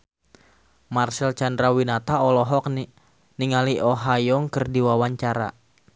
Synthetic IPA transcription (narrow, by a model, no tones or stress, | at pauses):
marsɛlt͡ʃandɾawinat̪aɔlɔɦɔk̚ni | niŋaliʔɔɦajɔŋkərdiwawaɲt͡ʃaɾa̰